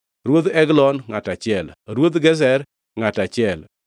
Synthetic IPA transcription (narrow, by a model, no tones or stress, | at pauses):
ɾwod̪ɛɡlɔnŋatat͡ʃɪɛlɾwod̪ɡɛz̬ɛɾ | ŋatat͡ʃɪɛl